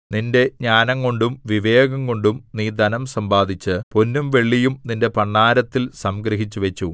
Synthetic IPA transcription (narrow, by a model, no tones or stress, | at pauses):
ninde̞ɲaːnɐŋko̞ɳɖumʋiʋe̞ːɡɐŋko̞ɳɖumniːd̪ɐnɐmsɐmbaːd̪ʱit͡ɕːɨponːumʋe̞ɭːijumninde̞pɐɳːaːɾɐt̪ːilsɐmɡɾɐɦit͡ɕːuʋet͡ɕːu